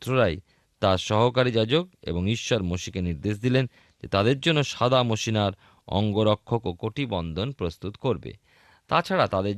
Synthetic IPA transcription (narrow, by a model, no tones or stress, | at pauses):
t̪ɾoɾaj | t̪aɾʃɔɦokaɾid͡ʑad͡ʑokḛboŋiʃːoɾmoʃikeniɾd̪eʃ̬d̪ilen | d͡ʑet̪ad̪eɾd͡ʑonːoʃad̪ʱamoʃinaɾ | ɔ̰ŋɡoɾokʰːokokoʈibɔnd̪ʱonpɾost̪ut̪koɾbḛ | t̪at͡ɕʰaɽat̪ad̪eɾ